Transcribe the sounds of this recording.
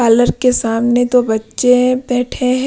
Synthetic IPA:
aːləɾkesaːmnet̪obɐtːʃebɛːʈʰeɦɛ̃

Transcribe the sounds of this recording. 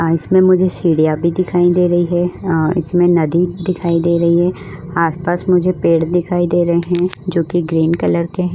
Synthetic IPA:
ɪsmẽmʊd͡ʒʱesiːɽijabʱid̪ɪkʰaːid̪eːɾɐɦiɦɛːɪ̰smẽnɐd̪id̪ɪkʰaːid̪eːɾɐɦiɦɛː | aːspaːsmʊd͡ʒʱepeːɽd̪ɪkʰaːid̪eːɾɐɦeɦɛ̃d͡ʒoːkiɡɾiːnkɐləɾkeɦɛ̃ː

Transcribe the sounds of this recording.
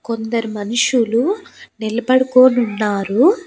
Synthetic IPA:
ko̞nd̪ɐɾimɐnuʂulunilɐbɐɽɐkoːnunːaːɾu

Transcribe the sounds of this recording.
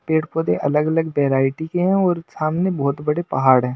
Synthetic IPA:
peːʈpoːd̪eʔɐləɡɐləɡʋeːɾaːɪʈikeɦɛ̃ɔːɾsaːmnebɔɦːʊt̪bɐɽepɐɦaːɽɦɛ̃ː

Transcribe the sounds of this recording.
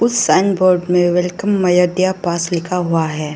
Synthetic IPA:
ʊsːaːnboːɾɖmẽʋɛlkəmːɐjəɖijapaːslɪkʰaɦuaɦɛː

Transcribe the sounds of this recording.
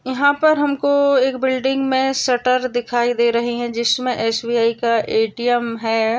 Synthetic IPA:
jɐɦãpɐɾɦɐmkoeːkbɪlɖɪ̃ŋɡmẽsɐʈəɾd̪ɪkʰaːid̪eːɾɐɦiɦɛ̃d͡ʒɪsmẽʔɛːsbiaːikaʔeːʈijəmɦɛː

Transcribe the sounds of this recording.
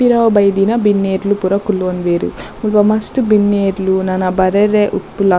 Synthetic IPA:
iɾawbɐjd̪inɐbinːeːɾlupuɾɐkulonʋeːɾṵmulʋɐmɐsʈubinːeːɾlunɐnɐbɐɾeɾeʔupːulɐ

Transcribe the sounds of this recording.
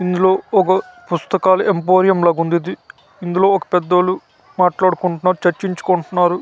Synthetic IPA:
ind̪ulo̞ːɔkɐpust̪ɐkaːlɐʔempoːɾijɐmlɐɡund̪id̪i | ind̪ulo̞ːɔkɐ̥pɛd̪ːɐlu | maːʈlaːɽukuɳʈunːaːɾut͡ʃɐɾt͡ʃiɲt͡ʃu̥koɳʈunːaːɾu

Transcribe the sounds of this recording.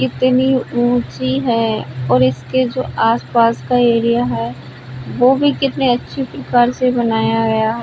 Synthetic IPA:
kɪt̪niũːt͡ʃiɦɛɔːɾɪsked͡ʒoːaːspaːskaeːɾijaɦɛ | ʋoːbʱikɪt̪neɐtːʃʰipɾɐkaːɾsebɐnaːjaɡɐjaɦɛ

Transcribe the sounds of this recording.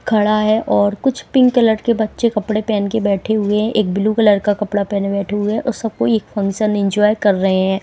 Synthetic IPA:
kʰɐɽaɦɛʔʔɔːɾkʊt͡ʃʰpɪ̃ŋkːɐləɾkebɐtːʃekɐpɽepɛːnkebɛːʈʰeɦʊeɦɛ̃ʔeːk̚bɪlukələɾkakɐpɽapɛːnbɛːʈʰeɦʊeʔʊsɐb̚koeːkfɐ̃ŋkʃənɪ̃nd͡ʒɔːɪkɐɾːɐɦeɦɛ̃ː

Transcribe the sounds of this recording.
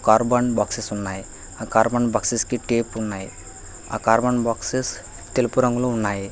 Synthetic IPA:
kaːɾbɐnbaːksisunːaːji | aːkaːɾbɐɳbɐksiskiʈeːpunːaːji | a̰ːkaːɾbɐɳbaːkses | t̪elupuɾɐŋɡulounːaːji

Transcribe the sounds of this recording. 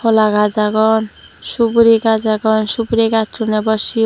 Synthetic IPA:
olaɡad͡ʒaɡɔn | ʃubɾiɡad͡ʒaɡɔnʃubɾiɡat̪ɾunɛbɔsi

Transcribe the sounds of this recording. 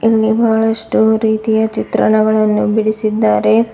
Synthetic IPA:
ilːibʱaːɭɐʂʈuɾiːt̪ijɐt͡ʃit̪ɾɐ̰ɳɐɡɐɭɐnːubiɽisid̪ːaːɾe̞

